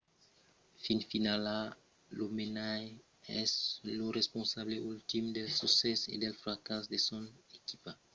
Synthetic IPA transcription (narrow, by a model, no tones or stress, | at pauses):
finfinala | lomenaj | ɛ̰slorespõnsaβleʔult̪imd̪elsusɛsḛd̪elfɾakas̬d̪esõnekipa